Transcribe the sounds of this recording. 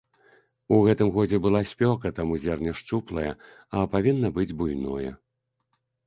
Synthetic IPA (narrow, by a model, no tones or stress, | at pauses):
uɣɛt̪ɨmɣɔd͡zʲɛbɨlˠasʲpʲɔkɐt̪amuzʲɛrnʲɐʂt͡ʂuplˠɐjɐ | ɐpavʲinːɐbɨd͡zʲbujnɔjɛ̰